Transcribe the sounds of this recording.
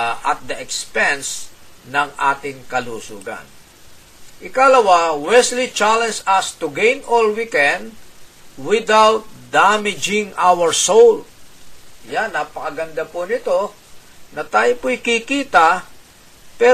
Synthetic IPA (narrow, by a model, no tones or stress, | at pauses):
ʔɐt̪̚d̪ɐʔɛkspɛnsnɐŋʔaːt̪ɪŋkɐluːsṵːɡa̰n | ʔɪkaɐlɐwawɛslit͡ʃalɛnsɐst̪ʊɡɛ̃jnʔolwikɛnd̪ | wɪd̪awt̪̚d̪amɪd͡ʒɪŋʔawəɹsowl | janːapɐkɐɡɐnd̪apʊnɪt̪o̞ | nɐt̪aːjopʊɪkikiːt̪a | pɛ